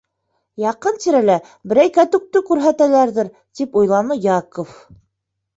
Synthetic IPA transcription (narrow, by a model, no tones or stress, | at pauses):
jɑqɤnt̪iɾælæ | bɘ̆ɾæjkæt̪ɵ̆k̚t̪ɵkʉɾɦæt̪ælæɾðɘɾ | t̪ipujlˠɑnɤjɑkof